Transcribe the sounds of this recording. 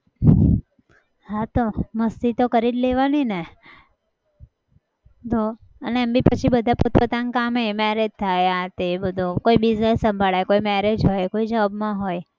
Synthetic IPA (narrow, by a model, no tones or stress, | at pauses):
ɦãt̪oməst̪it̪okəɾilleʋanine | t̪o | əneɛmbipət͡ʃʰibəd̪ʱaput̪pət̪ãŋkamemɛɾed͡ʒt̪ʰajat̪ebəd̪ʱũkoibid͡ʒnesːə̃mbʱaɭajkoimɛɾed͡ʒɦojkoid͡ʒəʋabmãɦoj